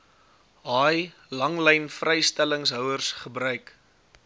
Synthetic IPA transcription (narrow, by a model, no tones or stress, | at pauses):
ɦɑːj | lɐŋlɛjnfrɛjstæləŋsɦœwərsχəbɾœɥk